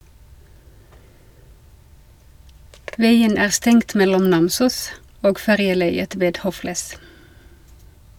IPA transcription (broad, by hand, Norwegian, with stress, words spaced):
ˈʋæɪən ˈæː ˈstɛŋt ˈmɛlɔm ˈnɑmsuːs ˈoːɡ ˈfæʁjəˌlæɪət ˈʋeːd ˈhoːflæs